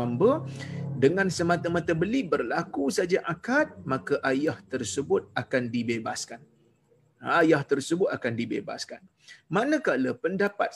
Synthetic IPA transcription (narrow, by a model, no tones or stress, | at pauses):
ambədəŋãnsəmãt̪amat̪abəlibərlakusad͡ʒaʔakat̪̚mãkaʔajaht̪ərsəbʊt̪̚akandibebaskan | ajaht̪ərsəbʊt̪akandibeba̰skan | manə̃kaləpəndapa̰t̪̚